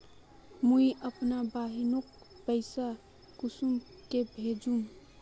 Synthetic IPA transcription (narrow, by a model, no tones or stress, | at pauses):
mujʔəpnabaɦinok̚ | pəɪsa | kusum | kebʱed͡ʒum